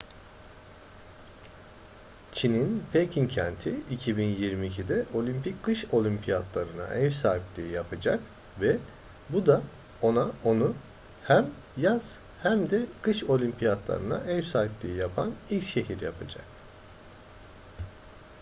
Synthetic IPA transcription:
t͡ʃʰininpʰejcʰincʰɛnt̪ʰiicʰibinjiɾmiːcʰid̪ɛʔo̞lʲympʰickɯʃo̞lʲympʰijat̪lˠaɾɯna̰ʔɛvsaːɦiplʲiːijapʰad͡ʒa̰k | vɛ | bud̪a | o̞nao̞nu | hæm | jaz̥ | hæmd̪ɛkɯʃo̞lʲimpʰijat̪lˠa̰ɾɯna̰ʔɛvsaːɦiplʲiːijapʰanilʲcʃe̞ɦiɾjapʰad͡ʒa̰k̚

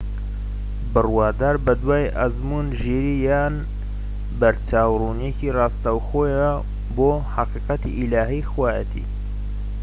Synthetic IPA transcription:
bɨrwaːd̪aːɾbɐd̪waːjʔazmunʒeɾijaːn | bɐɾt͡ʃaːwrunjecirɑːst̪awxoːj | boːħɑqiːqɑt̪ḭʔilaːɦixwaːjə̰t̪ʰḭː

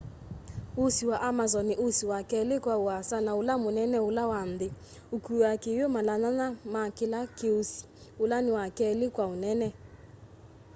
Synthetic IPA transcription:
ʊsiwaʔamazɔnɪʔosiwakɛlekwaʊasanaʊlamonɛnɛʊlawan̩dɪ | okuakejomalananamakɪlakeusi̥ʊlanɪwakɛlɪkwaonɛnɛ

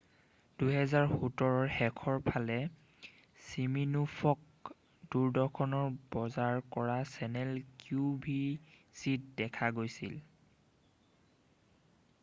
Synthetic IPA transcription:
d̥uɦɛzaɹhutɔɹɔɹxɛkʰɔɹpʰalɛ | siminufʰɔk̚ | duɹdɔkʰɔnɔɹbɔzaɹkɔɹasɛnɛlkubʱisit̚dɛkʰaɡojsḭl

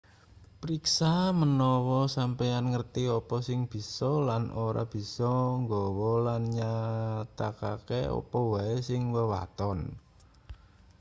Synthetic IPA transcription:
pɾiksamənɔwɔsampejanŋərt̪iɔpɔsɪŋb̥i̤sɔlanʔoɾa̰b̥i̤sɔŋɡɔwɔlanɲat̪akakḛɔ̰pɔwaesɪŋwəwa̰t̪ɔn

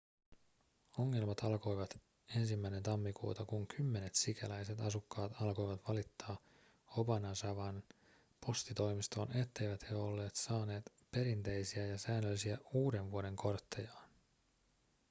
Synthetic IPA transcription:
o̞ŋːe̞lmɑt̪ɑlko̞jʋɑt̪ | e̞nsimːæjnent̪ɑmːikṵːt̪ɑkuŋkʰymːe̞ne̞t̪sikʰælæjse̞t̪ɑsukːɑːt̪ɑlko̞jʋɑt̪ʋɑlit̪ːɑː | obɑnɑsɑʋɑn | po̞st̪it̪o̞jmist̪o̞̰ːne̞t̪ːe̞jʋæt̪heo̞lːe̞ːt̪sɑːne̞ːt̪ | pe̞ɾint̪e̞jsiæjɑsæːnːølːisiæuːde̞nʋuode̞ŋkʰo̞rt̪ːejɑːn

